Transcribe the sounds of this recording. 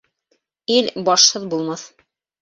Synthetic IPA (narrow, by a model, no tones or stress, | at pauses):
ilbɑʃhɤðbulˠmɑθ